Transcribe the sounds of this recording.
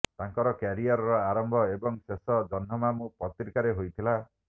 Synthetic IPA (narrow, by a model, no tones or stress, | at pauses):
t̪aŋkɔɾɔkaɾiaɾɔɾɔaɾɔmbʱɔebɔŋsesɔd͡ʒɔnɦɔmamũpɔt̪ɾkaɾeɦojt̪ʰila